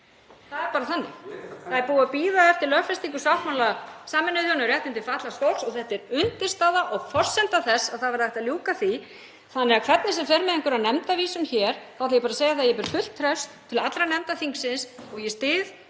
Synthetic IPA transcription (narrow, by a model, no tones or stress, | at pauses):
θaðɛɾpaːɾaθanːɪ̰θaɛɾpuːapiːðaɛft̪ɪɾlœfɛst̪iŋkʏ̥sawmawlasaːmɪnʏðjɔnːʏɾɛht̪ɪnt̪ɪfaht̪last̪owlsɔɣθɛht̪ɛɾʏnt̪ɪ̥st̪aːðaʔɔɣfɔr̥sɛnt̪aθɛsːaðθaðvɛɾðɛjht̪aljuːkaθi | θanːɛɾakʰvɛt̪nɪsɛmfɛɾmɛðiŋkʏɾaðnɛmt̪aviːsʏnçɛːɾ̥θawθajɛpaːɾaseːjaθaðjɛpɪɾ̥fʏl̥t̪ʰːɾɛwst̪ʰːɪlat̪lɾanɛmt̪aθiŋksɪnsɔɣjɛst̪ɪːð